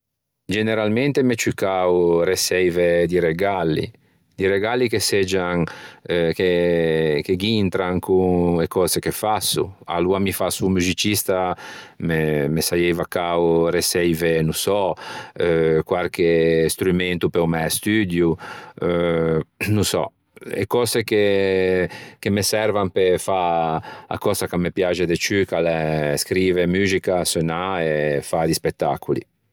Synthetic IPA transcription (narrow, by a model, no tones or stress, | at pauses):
d͡ʒeneɾalment̪emet͡ʃykawɾesɛjved̪iɾeɡalːḭ | d̪iɾeɡalːikesed͡ʒaŋ | ke | keɡint̪ɾaŋkuekɔːzekefasːṵa̰luamifasumuzit͡ʃist̪amemesajɛjvakawɾesɛjvenusɔ | kwaɾkest̪ɾument̪upeumɛst̪yd̪juø | nusɔ̰ | ḛkɔzeke | kemesɛɾvampefa | a̰kɔsakamːepjad͡ʒed̪et͡ʃykaleskɾiːvemyːzikasønaefad̪ispet̪ːa̰kulḭ